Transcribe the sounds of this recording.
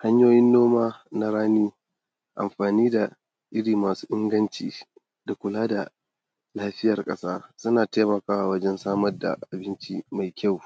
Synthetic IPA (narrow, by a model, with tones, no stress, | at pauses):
ha˦ɲjoː˦jɪ˦nːoː˦maː˦na˦ɾaː˦niː˦ | ʔa̰˨mɸaː˨niː˦da˨ | ʔɪ˦ɽiː˨maː˨su̥ː˦ʔɪ˦ŋɡɐ˦nt͡ʃiː˨ | da˨kʷʊ˨laː˦da˨ | laː˦ɸɪ˦jɐ˨rkʼɐ˦saː˦sʊ˦naː˨taː˦mɐ˨kaː˨wa˨wɐ˦d͡ʒɛ˦nsaː˦mɐ˦rda̰˨ʔa˨bɪ˦nt͡ʃi˦ma˨jkʲa˦˨w